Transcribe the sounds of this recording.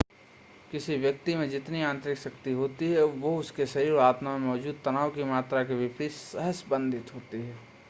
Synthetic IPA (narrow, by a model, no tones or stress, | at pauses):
kɪsiʋjək̚t̪imẽd͡ʒɪt̪niãːnt̪ɾɪksɐkt̪iɦoːt̪iɦɛʋoʊskesɐɾiɾaːt̪mamẽmɔːd͡ʒuːd̪̚t̪ɐnaːwkimaːt̪ɾakebɪpɾiʃsɐɦəsbə̃nd̪ʱɪt̪ɦoːt̪iɦɛː